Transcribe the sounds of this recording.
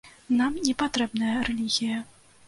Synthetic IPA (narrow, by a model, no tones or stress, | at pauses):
namnʲɛpat̪ɾɛbnɐjɐɾɛlʲiɣʲijɐ